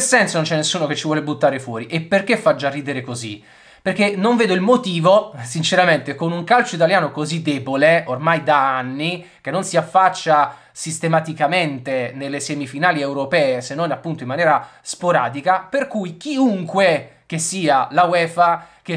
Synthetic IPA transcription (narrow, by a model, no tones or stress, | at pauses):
sɛnsonont͡ʃɛnːesːuːnoket͡ʃːivwɔːlebut̪ːaːɾefwɔːɾiʔepːerk̟efːad͡ʒarːiːd̪eɾekozḭ | perkːenoɱveːd̪oilmot̪iːvosint͡ʃeɾament̪ekonuŋkalt͡ʃoit̪aljaːnokozid̪ːɛːboleormajd̪aanːi | kenːonsiafːat͡ʃːa | sist̪emat̪ikament̪enelːesɛmifinaːliewɾopɛːesenːonapːunt̪oimːanjɛːɾaspoɾa̰ːd̪ikaperkujk̟iuŋkwek̟esːiːalawɛːfak̟e